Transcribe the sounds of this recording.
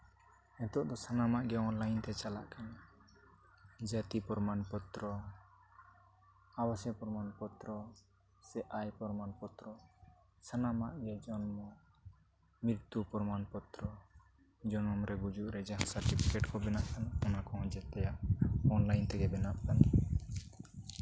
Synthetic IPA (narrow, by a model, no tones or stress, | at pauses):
ɛt̪ɔʔd̪ɔsanamaʔɡɛɔnlajnt̪ɛt͡ʃala̰ʔkan | d͡ʒat̪ipɔɾmanpɔt̪ɾɔ | awasɛpɔɾmanpɔt̪ɾɔ | sɛʔajpɔɾmanpɔt̪ɾɔ | sanamaʔɡɛd͡ʒɔnmɔ | mɾiɾt̪upɔɾɔmanpɔt̪ɾɔ | d͡ʒɔnɔmɾɛɡud͡ʒuʔɾɛd͡ʒaɦãsaɾʈipʰikɛʈkɔbɛnaʔkanɔnakɔɔ̃d͡ʒɛt̪ɛjaɔnlajnt̪ɛɡɛbɛnap̚kan